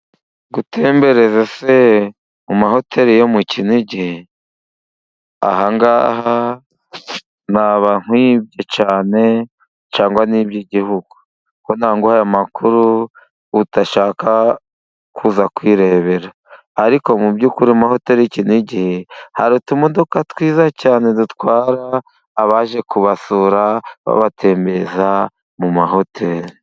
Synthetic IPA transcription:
ɡutʰeːmbe̞ɾe̞zese | umaho̞tʰe̞ɾijomucinuiɟihe | a̰haŋɡaːɦa | naβan̥hwib̚jot͡ʃaːne̞ | t͡ʃaːŋɡwaniːbjiɟihuɡ̥u̥ | konaːŋɡohajamakʰuɾuː | taʃaːka | kʰuːzakwiːɾe̞βe̞ɾaː | ɾiko̞mubɟuːkuɾimaho̞te̞ːɾicinuiɟihe̞haɾutumodokatwiːzacaːne̞dutkwaːɾaː | βaʒe̞kuβasuːɾaβa̰βatʰe̞ːmbe̞za | mumaho̞tʰe̞ɾi

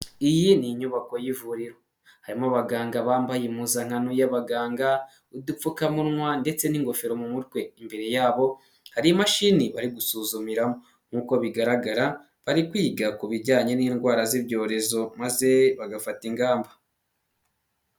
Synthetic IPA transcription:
ijiniɲuβako̞jivuɾiɾo | haɾimoβaɡaːŋɡaβaːmbajemuzaŋ̥anujaβaɡaːŋɡa | udup͡fukamuɾŋwande̞t͡se̞niŋɡo̞feɾo̞mumutwe̞imbe̞ɾe̞jaːβo̞ | haɾimaʃiniβaɾiɡusuːzumiɾamo | ŋ̥uko̞βiɡaɾaɡaɾa | βaɾikwiːɡakuβiɾɟaːɲe̞niːnɡwaːɾazibɟo̞ːɾe̞zo̞maze̞βaɡafatiŋɡaːmba

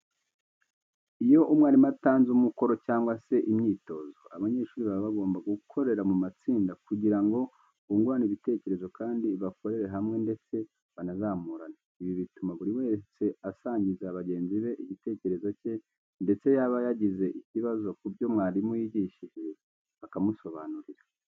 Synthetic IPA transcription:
ijo̞ʔumŋaːɾimataːnzumuko̞ɾo̞caːŋɡwase̞ʔimɲiːto̞zo̞a̰βaɲe̞ʃuːɾiβaββaɡo̞ːmbaɡuukʰo̞ɾe̞ɾamumat͡siːndakuɟiɾaŋɡo̞ | uŋɡuɾaniβite̞ːce̞ɾe̞zo̞kaːndiβako̞ɾe̞ɾe̞ɦamŋe̞nde̞t͡se̞ | βanazaːmuɾana | iβiβitumaβuɾiwe̞t͡se̞asaːɲɟizaβaɟe̞ːnziβe̞ʔiɟite̞ːce̞ɾe̞zo̞ce̞ | nde̞t͡se̞jaβajaɟize̞ʔiciβazo̞kubjo̞mŋaːɾimujiɟiʃiʒe̞ | βakamuso̞βaːnuɾiɾa

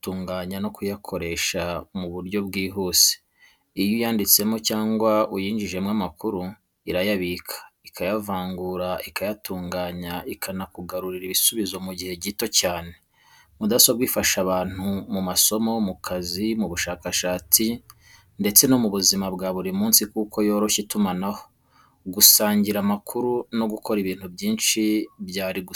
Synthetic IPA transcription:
tuːŋɡaːɲano̞kujakʰo̞ɾe̞ːʃamuβuɾjo̞bɡiːɦuːse̥ | ijojaːndit͡se̞mo̞caːŋɡwaujiːɲɟiʒe̞mŋamakuɾu | iɾajaβikʰḁikʰajavaːŋɡuɾaikajatuːŋɡaːɲaikʰanakuɡaɾuɾiɾiβisuβizo̞muɟihe̞ɟito̞caːne̞ | mudasobɡwiːfaʃaβaːn̥humumaso̞mo̞mukʰazimuβuʃaːkaʃaːt͡si | nde̞t͡se̞nomuβuzimabɡaːβuɾimuːnsikuːko̞jo̞ːɾo̞ʃitumanaho̞ | ɡusaːɲɟiɾamakʰuɾuno̞ɡukʰo̞ɾiβiːn̥hubɟiːnʃiβjaːɾiɡu

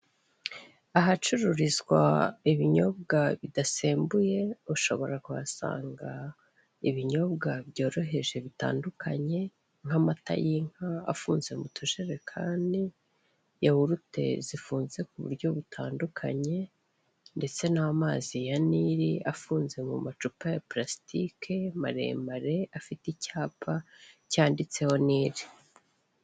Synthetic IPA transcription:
aɦat͡ʃuɾuɾizɡwa̰iβiɲo̞bɡaβidase̞ːmbuje̞uʃo̞̰βo̞ɾakuβasa̰ːŋɡa | iβiɲo̞bɡabjo̞ːɾo̞ɦe̞ʒe̞βita̰ːndukʰaɲe̞ | ŋ̥amata̰jiŋ̥haa̰fuːnze̞mutʰuʒeɾe̞kʰaːndi | jahuɾute̞̰zifuːnze̞kuβṵɾɟo̞βutʰaːndukʰa̰ɲe̞ | nde̞t͡se̞namaːzijaniɾiʔafuːnze̞mṵmat͡ʃupajaplasi̥tikʰemaɾḛmaɾe̞afiticaːpʰacaːndit͡se̞ho̞niːɾi̥

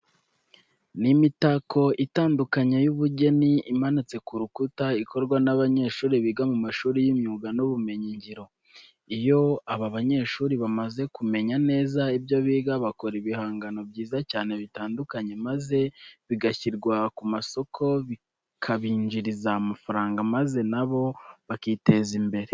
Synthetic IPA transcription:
nimitako̞itaːndukaɲajuβuɟe̞niimanit͡se̞kuɾukutaiko̞ɾɡwanaβaɲe̞ːʃuːɾiβiɡamumaʃuːɾijimɲuːɡanuβume̞ɲiɲɟiɾo̞ | ijo̞aβaβaɲe̞ʃuːɾiβamaze̞kume̞ɲane̞ːzaibjo̞βiːɡaβako̞ɾiβihaːŋɡano̞bɟiːzacaːne̞βitaːndukaɲe̞maze̞βiɡaçiɾɡwakumaso̞kʰo̞βi | kʰaβiːɲd͡ʒiɾizamafaɾaːŋɡamaze̞naβo̞βakiːte̞zimbe̞ɾe̞

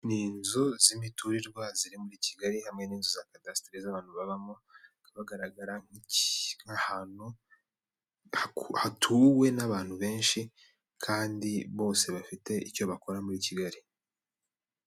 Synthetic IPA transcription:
niːnzo̞zimituɾiɾɡwaziɾimuɾiːciɡaɾihamŋe̞niːnzozakadasi̥tɾizaβaːn̥huβaβamokaβaɡaɾaɡaɾaŋ̥iŋahaːn̥u | hahatʰuːwe̞naβaːn̥huβe̞ːnʃi | kʰaːndiβo̞ːse̞βafite̞ico̞βako̞ɾamuɾiːciɡaɾi

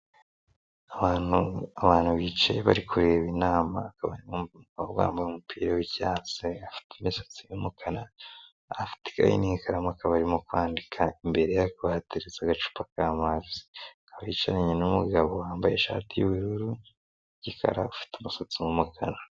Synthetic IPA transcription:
anuaβaːn̥huβit͡ʃe̞̰βa̰ɾikʰuɾe̞βinaːma̰kaβa̰ɾimomɡaβowa̰ːmbajumupʰiːɾewiɟaːt͡seafi̥tʰimisḁt͡simumukʰana | fi̥ti̥ka̰jḭniikaɾamoakaβaɾimokwaːndikʰaimbe̞ɾe̞jakuβahateɾezaɡat͡ʃu̥pakaːmazzi̥akaβait͡ʃaɾaɲenumuɡaβowaːmbaje̞ʃa̰ːtijuβiɾuɾu | ɟikʰa̰ɾa̰ufi̥tumusot͡simumukana

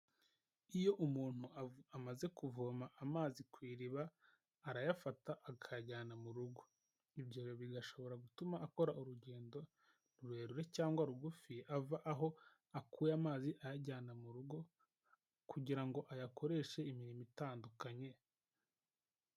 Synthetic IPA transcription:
ijo̞ʔumuːn̥huamaze̞kuvomaʔamaːzikwiːɾiβaː | ɾajafataʔːʰaaɟaːnamuɾuɡo̞ | ibɟoːɾeβiɡaʃo̞βo̞ɾaɡutumaʔːko̞ɾauɾuɟe̞ːndo̞ | nuɾuheɾuɾe̞caːŋɡwaɾuɡufiavaʔaɦo̞ | akuːjamaːziʔajaɟaːnamuɾuɡo̞ | kuɟiɾaŋɡo̞ʔajakʰo̞ɾe̞ːʃe̞imiɾimitaːndukaɲe̞

